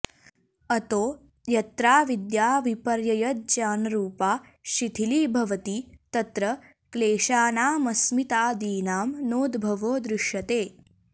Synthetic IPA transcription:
ɐt̪oː | jɐt̪ɾaːʋid̪jaːʋipɐɾjɐjɐt̪̚d͡ʒaːnɐɾuːpaː | ʃit̪ʰiliːbʱɐʋɐt̪it̪ɐt̪ɾɐ | kleːʃaːnaːmɐsmit̪aːd̪iːnaːmnoːd̪bʱɐʋoːd̪ɾɪʃjɐt̪eː

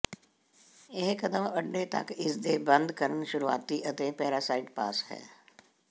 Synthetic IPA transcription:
eɦkɐd̪əmɐɖɖet̪ɐ̰kɪsd̪eːbɐ̃nd̪kəɾənʃʊɾua̰ːt̪ːiʔɐt̪ẽpɛːɾaːsaːɪʈpa̰ːshɛ̰ː

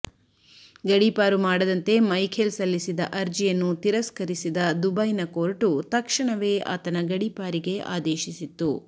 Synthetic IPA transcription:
ɡɐɽipaːɾumaːɽɐd̪ɐnt̪e̞mɐjkʰelsɐlːisid̪ɐʔɐɾd͡ʒijɐnːut̪iɾɐskɐɾisid̪ɐd̪ubɐjnɐkoːɾʈut̪ɐkʂɐɳɐʋe̞ːa̰ːt̪ɐnɐɡɐɽipaːɾiɡe̞ʔa̰ːd̪eːʃisit̪ːu

